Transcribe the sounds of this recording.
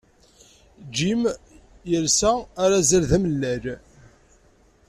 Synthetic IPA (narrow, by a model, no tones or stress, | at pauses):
d͡ʒim | jəlsæːɾazəɾðæməlːæɾ